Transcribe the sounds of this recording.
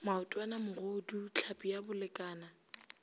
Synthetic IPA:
maʊtʼwanamʊɣodut͡ɬʰapʼijabʊlɪkʼaːna

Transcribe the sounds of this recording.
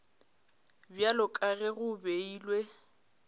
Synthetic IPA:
bjalʊkʼaɣɛɣʊbeiːlwe

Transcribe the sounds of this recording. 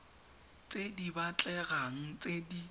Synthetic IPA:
t͡sʼedibat͡ɬʼɛɣaŋ̩t͡sʼedi

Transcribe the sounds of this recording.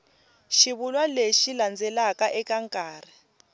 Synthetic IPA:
ʃiβulwaleʃiland͡zʱɛlakʼaʔɛk̬ʼaŋkʼaːrɛ

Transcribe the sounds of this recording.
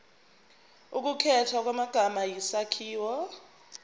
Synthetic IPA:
uk̬ukʰɛtʰwak̬wamaɡ̥ʱamajisakʰiːwɔ

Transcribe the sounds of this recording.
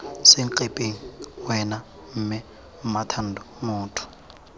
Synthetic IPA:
seŋ̩ǃepʼeŋ̩wɛna | m̩mɪ | ʊmatʰan̩dɔ | mʊːtʰʊ̥

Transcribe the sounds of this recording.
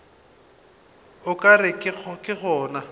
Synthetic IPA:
ʊkʼarɪkʼɪɔkʼɪɣɔːna

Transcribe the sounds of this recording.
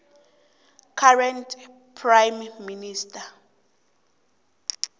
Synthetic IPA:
kʰarɛntʰʼ | pʰrajmːinistʰʼa

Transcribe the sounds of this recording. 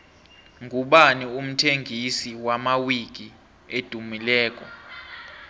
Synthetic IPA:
ŋɡʱuɓanium̩tʰeŋɡʱisiwamawiɡ̥ʱi | ed̥ʱumilɛːk̬ʼɔ

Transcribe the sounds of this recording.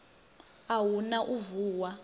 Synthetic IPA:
awunaʔuvuːwa

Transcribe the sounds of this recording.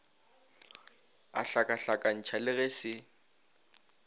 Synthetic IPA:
a̰ɬakʼaɬakʼan̩t͡ʃʰalɪɣɛsɪ

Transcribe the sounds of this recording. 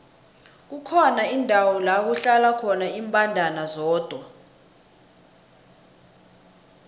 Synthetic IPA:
k̬ukʰɔnaindʱawɔlak̬uɬalakʰɔnaimpʼandʱanazɔːd̥ʱwa

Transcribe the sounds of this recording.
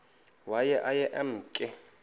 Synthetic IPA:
wajɛʔajɛʔɛm̩ːkʼɪ

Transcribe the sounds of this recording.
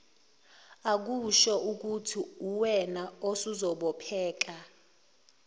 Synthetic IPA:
ak̬uʃɔuk̬utʰiuwɛnaosuzɔɓɔpʰɛːk̬ʼa

